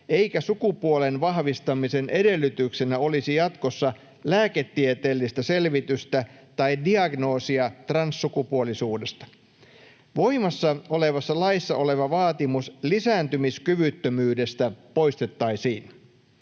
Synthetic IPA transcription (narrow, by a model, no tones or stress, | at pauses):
e̞ikæsukupuolenʋɑɦʋist̪ɑmisenʔe̞de̞lːyt̪yksenæo̞lisijɑt̪kosːɑ | læːket̪ːiet̪eːlːist̪æse̞lʋit̪yst̪æt̪ɑidiɑɡno̞ːsiɑt̪rɑnsːukupuolisuːdest̪ɑ̥ | ʋo̞imɑsːɑo̞le̞ʋɑsːɑlɑisːɑ̰ʔo̞le̞ʋɑʋɑːt̪imuslisæːnt̪ymiskyʋyt̪ːømyːdest̪æpo̞ist̪et̪ːɑisiːn